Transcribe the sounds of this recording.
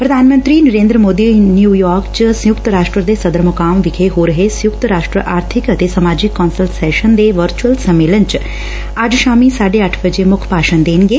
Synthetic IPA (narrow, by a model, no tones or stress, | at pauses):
pɾəd̪ʱaːnmə̃nt̪ɾiːnəɾẽːnd̪ɾəmoːd̪iːnjuːjɔːɾkt͡ʃsə̃jʊkt̪ɾaːʃʈɾəd̪eːsəd̪əɾmʊkaːmʋɪkʰeɦoːɾəɦeːsə̃jʊkt̪ɾaːʃʈɾə̰ʔaːɾt̪ʰɪkət̪eːsəmaːd͡ʒɪkːɔːnsəlsɛːʃənd̪eːʋəɾt͡ʃuəlsəmːeːlənt͡ʃ | əd͡ʒʃaːmiːsaːɖeːəʈʰbəd͡ʒeːmʊkʰpaːʃənd̪eːnɡeː